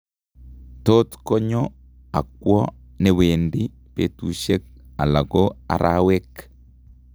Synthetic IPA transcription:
to˦tko˦ɲo˦ | a̰˨k̚wɔ˦ | ne˨we˨ndi˦ | pe˨tu˨ʃe˦k̚a˨la˨ɡo˦a̰˨ɾʔawe˦k

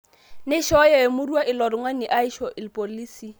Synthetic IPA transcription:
nɪ˦ʃɔ˦jɛ˦˨e˨mʊ˦ru˦a˦ʔɪ˨lɔ˨ɾɪ˨ŋwa˦ni˨ʔa˦i˦ʃɔ˨ʔɪ˨lpʼo˨liː˦si˦

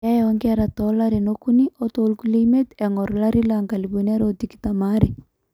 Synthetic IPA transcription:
a˦jɔŋɡɛɾa˨tɔla˦ɾe˨nokuniʔo˦to˨lku˦lime˦tɛ˨ŋɔ˨ɾla˦ɾi˦la˨ŋɡa˨libo˨na˦ɾo˨tiki̥tama˦ɾi

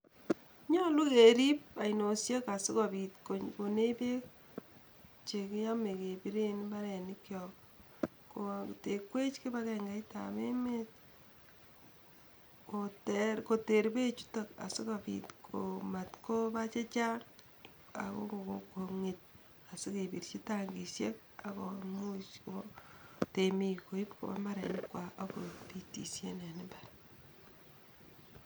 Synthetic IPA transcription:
ɲɔ˦lu˦ke˨ɾi˦p̚a˨ino˨sje˦ka˨sɪ˦ka˨bitkoko˨ne˦pe˦k | t͡ʃe˨kɪ˦ja˦me˨ke˨pi˦ɾe˦nba˦ɾɛ˨nɪ˦kjɔ˨ | ko˨te˨kwe˦t͡ʃke˦ba˦kɛŋɡa˨˦jta̰˨me˦met̚ | kotɛɾko˨te˨ɾbe˦t͡ʃu̥˦ta˨ka̰˨si˦kapḭtkʰoma˨tko˦ba˦t͡ʃe˦t͡ʃa˦ŋ | a̰˨ko̰˦koŋi˨t̚ | a˨si˦kebiɾt͡ʃi˦taŋɡi˨sje˦k̚ | a˨ko˨mu˦t͡ʃoote˨mi˦ko˨i˦pko̰˨ba̰˦ma˦ɾḛ˨ɲkwa˨ʔa˦kopi˦tḭ˨sje˦ne˨nɪbaɾ

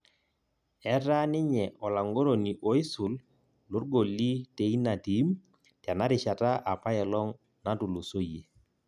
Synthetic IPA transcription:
ɛ˦ɾa˦nɪ˦ɲɛ˨ʔɔ˨la˨ŋɡo˦ɾo˨ni˨ʔɔ˨˦ɪ˦sʊ˨l | lo˦rɡo˨lːi˦te˨i˦na˨ti˨˦m | ta˨na˦ɾɪ˨ʃa˨ta˦ʔa˨pa˦ɛ˨lɔ˦ŋ | na˦tu˨lo˨so˦je˨

